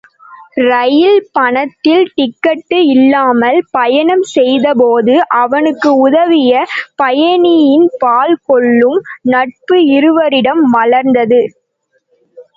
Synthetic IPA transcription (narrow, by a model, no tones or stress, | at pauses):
ɾɐjɪlpɐɳɐt̪ːɪlʈɪkːɐʈːɯɪlːaːmɐlpɐjɐɳɐmsɛjðɐpoːðɯʔɐʋɐnɯkːɯʊðɐʋɪjɐpɐjɐnɪjɪnpaːlkɔɭːɯmnɐʈ̚pɯɪɾɯʋɐɾɪɽɐmʋɐɭɐɾnd̪ɐðɯ